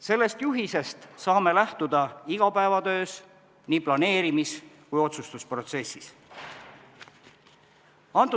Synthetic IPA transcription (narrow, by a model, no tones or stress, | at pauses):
se̞lːe̞st̪juɦise̞st̪sɑːme̞læht̪ud̪ɑiɡ̥ɑpæevɑd̪ø̞ːs | niːplɑne̞ːɾimiskujo̞t̪sust̪uspro̞t̪se̞sːis | ɑnt̪ːˑu